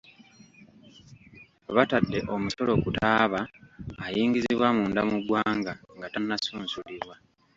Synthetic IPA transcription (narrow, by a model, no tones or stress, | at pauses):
βatadːe̞ʔo̞muso̞lo̞kutaːβaːjiːŋɡiziβwamuːndamuɡwaːŋɡaŋɡatanːasuːnsuliβwa